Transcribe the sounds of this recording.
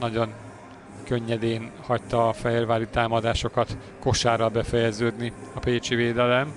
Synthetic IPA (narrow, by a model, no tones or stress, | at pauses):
nɒɟo̞ŋ | kø̞ɲːɛd̪eːnhɒct̪ɒːfɛɦeːrvaːlit̪aːmɒd̪aːʃo̞kɒt̪ | ko̞ʃaːɾɒlbɛfɛjɛzøːd̪niɒpeːt͡ʃiveːd̪ɛlɛm